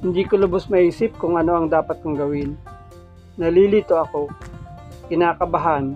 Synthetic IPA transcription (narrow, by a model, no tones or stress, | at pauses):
hɪnd̪iːkolʊbosmɐʔiːsɪp̚kʊŋɐno̞ʔɐŋd̪aːpɐt̪̚kɐŋɡɐwɪnː | ɐliːlit̪oʔɐko̞ | kɪnaːkɐbɐɦan